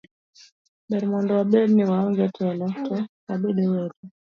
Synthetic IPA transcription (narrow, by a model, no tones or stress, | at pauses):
ɓɛɾmɔndɔwaɓɛɾniwaɔŋɡɛtɛlɔtʰɔkaɓɛɗɛwɛtu